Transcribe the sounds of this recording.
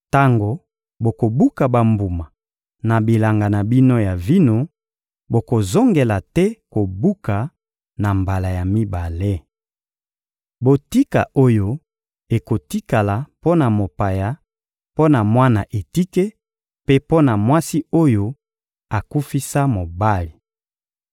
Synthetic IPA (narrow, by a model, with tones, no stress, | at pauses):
ta˦ŋɡo˨ | bo˨ko˨bu˦ka˨ba˨mbu˨ma˨ | na˨bi˨la˨ŋɡa˨na˨bi˦no˦ja˨vi˦no˦ | bo˨ko˨zo˦ŋɡe˨la˨tɛ˦ko˨bu˦ka˨ | na˨mba˨la˨ja˨mi˦ba˨le˦ | bo˨ti˦ka̰˨ʔo˦jo˦ | e˨ko˨ti˦ka˨la˨po˦na˨mo˨pa˨ja˨ | po˦na˨mwa˦na˨ʔe˨ti˦ke˦ | pe˦po˦na˨mwa˦si˦o˦jo˦ | a˨ku˦fi˦sa˦mo˨ba˦li˨